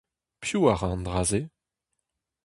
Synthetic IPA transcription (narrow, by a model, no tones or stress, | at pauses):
pʰjuaʁɑ̃nd̪ʁaːze